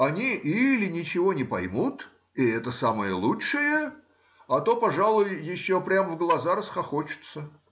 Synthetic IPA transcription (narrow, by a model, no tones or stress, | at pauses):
ɐnʲiʔilʲɪnʲɪt͡ɕɪvo̞nʲɪpɐjmut̪ | ɪɛt̪əsamɨjəlˠuʂɨjə | ɐt̪o̞pɐʐalˠʊjjɪɕːopɾʲamvɡlˠɐzaɾəsxɐxot͡ɕɪ̥t̪sə